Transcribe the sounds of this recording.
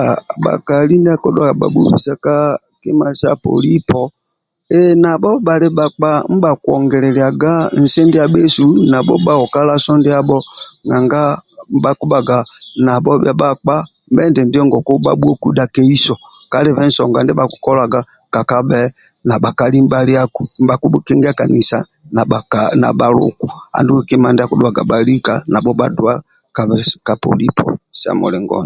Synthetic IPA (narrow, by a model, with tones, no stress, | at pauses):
ɓa̰˨ka˨li˦n˦dɛ˦kɔ˦dɔ˦˨a˨ɓa̰˨ɓṵ˦ɸḭ˨sa˦ka˦ke˦ma˨sa˦po̰˨li˦pɔ˨ | ɛ˦na˨ɓɔ˦ɓa˨ɾe˦ɓa˨k͡pa˨m̩˦ɓa˨kwɔ˨ŋɡɛ˨lɛ˨lɛ˨a˨ɡa˦n̩˨se˦nde˦a˨ɓe˦su˨˦na˨ɓɔ˦ɓa˦ɔ˨ka˦la˦sɔ˦nde˦a˦ɓɔ˦na˨ŋɡa˦m̩˦ba˦ku˦ɓa˨ɡa˨na˨ɓɔ˦bja˨ɓa˦˨k͡pa˦m˦bɛ˦ndɛ˨ndi˦ɔ˦ŋɡɔ˨ku˦ɓa̰˦bu˦ɔ˦ku˦da˨kɛ˦i˦sɔ˨ka˦lɛ˦vɛ˦n̩˦sɔ˨ŋɡa˨ndɛ˦ba˦ku̥˨˦kɔ˦la˨ɡa˨ | ka˨ka˦bɛ˨na˨ba˨ka˨li˦m˦ba˦li˦a˦ku˨ba˨ku˦kɛ˦ŋɡɛ˦a˦ka˨ni˨sa˨ | na˨na̰˨ba˨lṵ˨ku˨a̰˨ndu˦˨ki˦ma˨ndɛ˦a˦ku˦du˨a˨ɡa̰˨ba˨li˦ka˨na˨bɔ˦ba̰˨du˨a˦ | ka˨βɛ˦ka˨pɔ̰˨li˦pʰɔ̰˨sa̰˨mɔ̰˨lɛ˨ŋɡɔ̰˦n